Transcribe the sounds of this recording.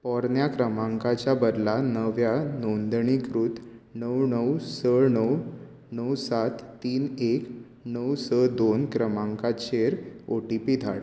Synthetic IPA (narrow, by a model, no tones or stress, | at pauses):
pɔɾnjakɾəmãŋkat͡ɕjabəɾlanəʋjanond̪ɳikɾuːt̪nəwnəwsənəw | nəwsat̪ːiːnek | nəwsəd̪onkɾəmãŋkaɕeɾoʈipid̪ʱa̰ɽ